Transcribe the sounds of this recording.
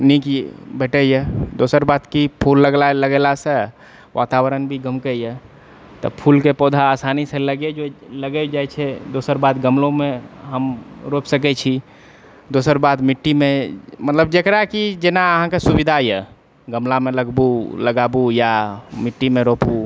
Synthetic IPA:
nikibʱeʈəjɛd̪osəɾbat̪kipʰulːəɡlaləɡelase | ʋʔat̪awəɾənbʱiɡəmkəjə | t̪ɔ̰pʰulkepod̪ʱaːsaniseləɡed͡ʒoləɡɛd͡ʒajt͡ʃʰɛd̪osəɾbad̪ɡəmlõmeɦəmɾopsək̬ɛt͡ʃʰi | d̪osəɾbad̪miʈːimemət̪ləb̚d͡ʒekɾakid͡ʒenaəɦãkesubid̪ʱajɛ̰ | ɡəmlameləɡbuləɡabujamiʈːimeɾopu

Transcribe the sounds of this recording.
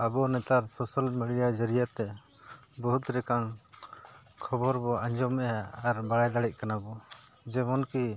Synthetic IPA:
abɔnɛt̪aɾsɔsalmɛɽijad͡ʒəɾijat̪ɛ | bɔɦut̪ɾɛkaŋ | kʰɔbɔɾbɔaɲd͡ʒɔmɛjaːɾbaɽajd̪aɽɛc̪̚kanabɔ | d͡ʒɛmɔnki

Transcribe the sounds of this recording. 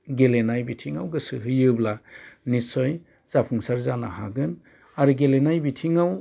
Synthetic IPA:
ɡelenajbitʰiŋawɡɯsɯɦɯjɯblanisɔj | sapʰuŋsaɾzana̰ha̰ɡɯn | aɾɯɡelenajbitʰiŋaw

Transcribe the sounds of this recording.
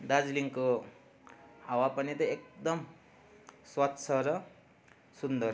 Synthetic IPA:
d̪ad͡zliŋko | ɦawapʌnit̪ʌek̚d̪ʌm | swʌt̪ːsʰʌɾʌ | sund̪ʌr

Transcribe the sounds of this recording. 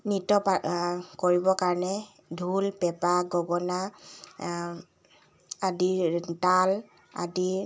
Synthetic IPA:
nitɔpakoɹibɔkaɹɔnɛ | dʱulpɛpaɡɔɡɔna | adital | a̰di

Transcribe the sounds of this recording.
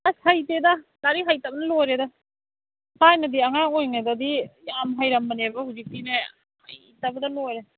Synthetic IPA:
ashajtedalaɾiɦajtabɐnɐlojɾeda | hajnɐdiɐŋakojŋedadijamɦajɾɐmːɐnebɐhuzik̚tine | a̰jitabɐdɐlojɾe

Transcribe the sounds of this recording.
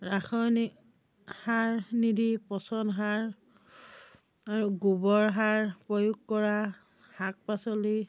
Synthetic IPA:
ɹaxʰɔjni | haɹnidʱipɔsɔnɦaɹ | aɹuɡubɔɹɦaɹpɹɔjuɡkɔɹa | hak̚pasɔli

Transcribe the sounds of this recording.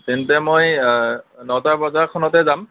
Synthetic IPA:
tintɛmoj | nɔtaɹbɔzaɹkʰɔnɔtɛzam

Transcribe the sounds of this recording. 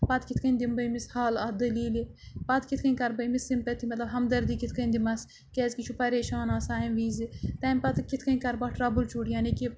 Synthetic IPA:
pɐt̪kit̪ʰkɐnʲd̪imbɐjmishaːlɐd̪ɐliːlipɐt̪kit̪ʰkɐinʲkɐɾbɐimisimpɐt̪ʰimɐt̪lɐbɦɐmd̪ɐɾd̪iːkit̪ʰkɐnʲd̪imɐs | kɛːzkit͡ʃʰupɐɾeːʃaːnaːsaːimʋiːzit̪ɐːmpɐt̪kit̪ʰkɐnkɐɾbaːʈɾaːbult͡ʃuːɽjaːniki

